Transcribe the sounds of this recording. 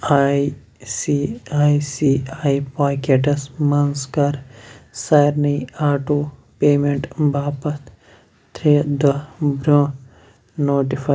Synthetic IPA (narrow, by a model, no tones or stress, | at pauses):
ai | siaːisiːaːipaːkeʈɐsmɐnskɐɾsajɾnɐjaːʈuː | peːmeɳʈbʱaːpɐt̪ | t̪ɾeːd̪ɐbɾõː | noːʈifa